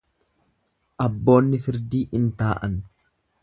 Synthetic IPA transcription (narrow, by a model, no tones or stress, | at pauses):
ʔɐbːo̞ːnːɪfɪɾd̪iːʔɪnt̪aːʔɐ̰n